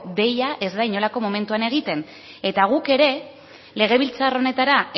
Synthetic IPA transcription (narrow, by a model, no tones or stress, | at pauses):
d̪e̞jaʔe̞zd̪ajɲo̞lako̞mo̞me̞nt̪uane̞ɣ̞it̪e̞n | e̞t̪aɣ̞uke̞ɾe̞ | le̞ɣ̞e̞β̞ilt͡saro̞ne̞t̪aɾa